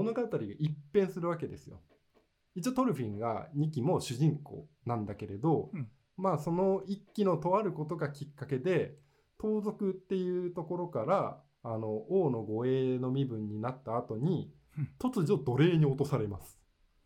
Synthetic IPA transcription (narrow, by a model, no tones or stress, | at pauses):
mono̞ɡat̪aɾʲiɡaʔipːẽ̞ɰ̃sɨɾɯ̟βake̞d̪e̞sɨjo̞̰ | it͡ɕːat̪o̞ɾɯ̟ɸʲĩŋɡa̰ɲ̟ik̬ʲimo̞ɕɨʑĩŋko̞̰ː | nãnd̪ake̞ɾe̞d̪o̞ | maːso̞no̞ikʲːino̞t̪o̞βaɾɯ̟ko̞t̪o̞ɡakʲikːake̞d̪e̞ | t̪o̞ːzo̞kɯ̟t̪ːe̞jɯ̟ːt̪o̞ko̞ɾo̞kaɾaː | no̞ʔoːno̞ɡo̞eːno̞mʲibɯ̟̃ɲ̟ːinat̪ːaːt̪o̞ɲ̟i | t̪o̞t͡sɨʑo̞d̪o̞ɾe̞ːɲ̟io̞t̪o̞saɾe̞masɨ̥